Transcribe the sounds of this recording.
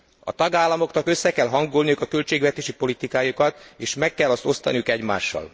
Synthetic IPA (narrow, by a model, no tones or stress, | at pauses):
ɒ̰t̪ɒɡaːlːɒmo̞knɒkø̞sːɛkɛlɦɒŋɡolnijukɒkølt͡ʃeːɡʋɛt̪eːʃipo̞lit̪ikaːjukɒt̪eːʃmɛkːɛlːɒst̪o̞st̪ɒ̰nijukɛɟma̰ːʃːɒ̰l